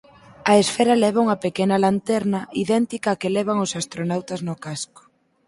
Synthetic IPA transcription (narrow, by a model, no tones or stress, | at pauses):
ɐesfɛɾɐlɛβ̞auŋɐpekenɐlant̪ɛɾnɐʔiðɛnt̪ikɐːkelɛβ̞aŋʊsast̪ɾonawt̪ɐznʊkaskʊ̥